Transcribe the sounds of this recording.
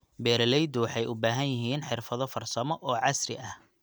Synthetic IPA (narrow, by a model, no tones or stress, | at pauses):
bɛːɾɐlɛjd̪ʊwɑħɑjʔʊbaːɦɐnjɪɦiːnħɪrfɐðɔfɐrsɐmɔʔɔːʕɑsrɪ̰ʔɐh